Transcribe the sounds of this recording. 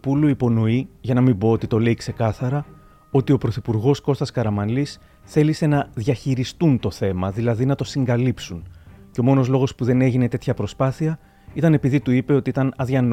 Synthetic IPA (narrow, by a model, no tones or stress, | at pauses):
puluipo̞no̞iʝɐnɐmibo̞ot̪it̪o̞le̞ikse̞kɐθɐɾɐ | o̞t̪io̞pɾo̞θipuɾɣo̞sko̞st̪ɐskɐɾɐmɐnlis | θe̞lise̞nɐðʝɐçiɾist̪unt̪o̞θe̞mɐðilɐðinɐt̪o̞siŋɡɐlipsunceo̞mo̞no̞zlo̞ɣo̞spuðe̞ne̞ʝine̞t̪e̞t̪çɐpɾo̞spɐθiɐ | it̪ɐne̞piðit̪uipe̞o̞t̪iit̪ɐnɐðʝɐn